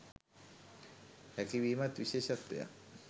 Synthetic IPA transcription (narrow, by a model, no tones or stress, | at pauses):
ɛkibimat̪biʃeʃat̪ːḛja̰